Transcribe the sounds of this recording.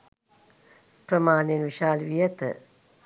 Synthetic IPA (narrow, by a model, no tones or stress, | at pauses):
pɾəmaːnenʋiʃaːlʋijɐt̪ə̰